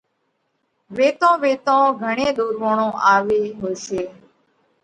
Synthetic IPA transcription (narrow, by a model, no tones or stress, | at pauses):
ʋeːt̪õːʋeːt̪õːɡʱəɳẽːɗ̪uːɾʋõːɳõːʔaːʋeːɦoːseː